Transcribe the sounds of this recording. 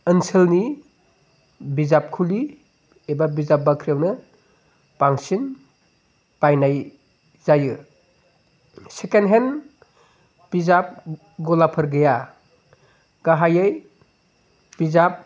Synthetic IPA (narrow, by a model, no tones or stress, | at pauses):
ɯnsʰelni | bizap̚kʰuli | ebabizap̚bakʰɾiawnɯ | b̥aŋsin | b̥ajnaj | zajɯ | sekenɦen | b̥izap̚ | ɡɔlapʰɐɾɡɯja | ɡ̥aɦajej | b̥izap̚